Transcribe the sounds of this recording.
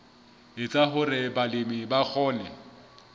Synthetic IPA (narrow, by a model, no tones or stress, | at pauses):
ɪt͡sʼaɦʊrɪbalɪmɪbak͡xʰɔːnɛ